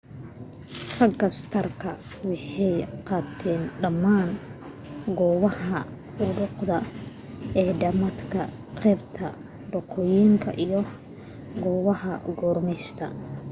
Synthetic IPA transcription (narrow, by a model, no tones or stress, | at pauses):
rɐɡɐst̪ʰɐrkʰɐ | wɑħɛjqɑːt̪ʰɛːnɖɐmːaːn | ɡɔːβɐhɐ | ʊɽʊqd̪ɐ | ɛːɖɐmɐt̪kʰɐ̰ | qɛːbt̪ʰɐ | ɖɔqʰɔjiːŋkʰɐ̰ʔijɔ | ɡɔːβɐhɐ̰ɡɔːrmɛst̪ʰɐ̰